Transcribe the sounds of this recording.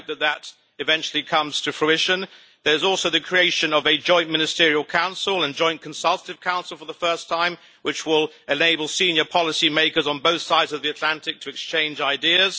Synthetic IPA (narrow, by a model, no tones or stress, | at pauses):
ðɨt̪̚ðəɾ | ɨvɛ̃nt͡ʃl̩ˠikʰʌ̃mz̥tʰɨfɹ̥uɪʃɨ̃n | ðə˞ɨzɔlˠsoʊðɨkʰɹ̥ieɪʃɨ̃nʌvɨd͡ʒɔ̃ɪ̃nmɪ̃nɨstɪɹiəlˠkʰãʊ̃nsl̩ˠə̃nd͡ʒɔ̃ɪ̃nkʰə̃n̩sʌlˠtəɾɨv̥kʰãʊ̃nsl̩ˠfə˞ðəfɜ˞stʰãɪ̃m | wɨt͡ʃwɪlˠɨneɪbəlˠsĩnjə˞pʰɑlˠəsimeɪkə˞zn̩boʊθsaɪdzʌvðiɨtʰˡlæ̃ntɨk̚tʰɨɨkst͡ʃʰẽɪ̃nd͡ʒaɪdiɨz̥